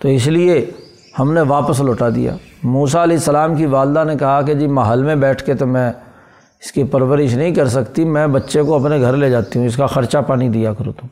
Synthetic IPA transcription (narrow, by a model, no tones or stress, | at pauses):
t̪oɪslie | hɐmneʋaːpəsloːʈad̪ḭja̰ː | muːsaɐlɛːɪsːəlaːmkiʋaːld̪anekɐɦaked͡ʒiːmaɦəlmẽbɛːʈʰket̪omɛ̃ː | ɪskipɐɾʋəɾɪʃnɐɦĩkɐɾsɐkt̪imɛ̃bɐtːʃẽkoɐpneɡʱɐɾled͡ʒaːt̪iɦũɪskaxɐɾt͡ʃapaːnid̪ijakɐɾõ̰ːt̪ũː